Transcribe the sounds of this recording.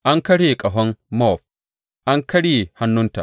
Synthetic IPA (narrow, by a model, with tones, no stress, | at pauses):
ʔa˦ŋkɐ˦ɽeː˨kʼɐ˨ɦɔ˦nmɔ˦˨ɸ̚ | ʔa˦ŋkɐ˦ɽeː˨ha˦nːʊ˦nta̰˨